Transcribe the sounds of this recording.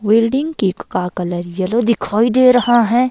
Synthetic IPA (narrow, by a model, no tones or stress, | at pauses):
wiːlɖɪ̃ŋɡkikkakɐləɾjɐlod̪ɪkʰaːid̪eːɾɐɦaɦɛ̃ː